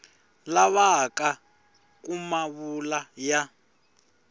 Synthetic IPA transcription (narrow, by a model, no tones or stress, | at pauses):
laβaka | k̬umaβulaja